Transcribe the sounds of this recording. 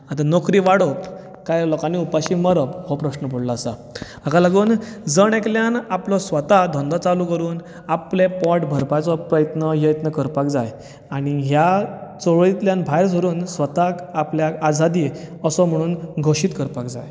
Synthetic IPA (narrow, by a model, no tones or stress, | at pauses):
at̪anokɾiːʋaɽop | kajlɔkanːiupaɕiːməɾəphɔpɾəɕnəpəɽlaːsa | akalaɡuːnd͡zəɳ̃ekljanaplɔsʋət̪ad̪ʱɔ̃nd̪ʱɔt͡salukəɾuːn | aplepɔʈbʱəɾpajt͡sɔpɾəjət̪nəjəjət̪nəkəɾpakd͡zaj | aɽ̃iɦjat͡sɔʋɭit̪ljanbʱajɾs̬əɾuːnsʋət̪akapljaad͡zʱad̪iːəsɔm̤əɽ̃uːnɡʱoɕiːt̪kəɾpakd͡za̰j